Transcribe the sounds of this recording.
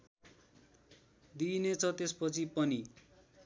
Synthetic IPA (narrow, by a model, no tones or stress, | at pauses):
d̪inet͡sʰʌt̪espʌt͡sʰipʌni